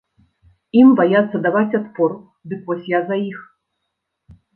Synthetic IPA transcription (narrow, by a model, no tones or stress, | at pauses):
imbajat̪sːɐd̪avatt͡sʲat̪pɔr | d̪ɨkvɔsʲjazaix